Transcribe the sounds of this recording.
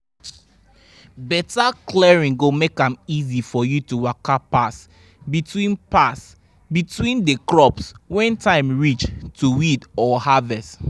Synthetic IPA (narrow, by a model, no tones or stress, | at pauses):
bɛtaklɛɹĩŋɡomekãmizifɔjutuwakapas | bitwĩnpas | bitwĩndəkɹɔpswɛ̃ntʰãɪ̃mɹit͡ʃtʰuwidɔhavɛst